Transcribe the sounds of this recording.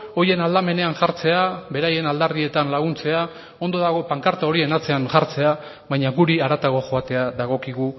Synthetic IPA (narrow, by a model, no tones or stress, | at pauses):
o̞je̞nald̪ame̞ne̞anʝaɾt͡se̞aβe̞ɾaje̞nald̪aɾðie̞t̪anlaɣ̞unt͡se̞a | o̞nd̪o̞ðaɣ̞o̞paŋkaɾt̪ao̞ɾie̞nat͡se̞anʝaɾt͡se̞a | βajɲaɣuɾiaɾat̪aɣo̞ʝo̞at̪e̞aðaɣ̞o̞kiɣ̞u